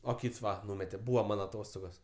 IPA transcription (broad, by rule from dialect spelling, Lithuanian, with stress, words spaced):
oː ˈkʲiːts ˈʋɐ ˈnuːmʲɛtʲɛ ˈbuːʋɐ ˈmɐn ɐˈtoːstoːɡoːs